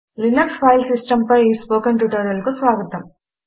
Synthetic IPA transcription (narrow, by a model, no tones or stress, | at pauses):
linɐkspɐjlsisʈɐmpɐjiːspoːkɐɳʈuʈɐɾɐlkusʋaːɡɐt̪ɐm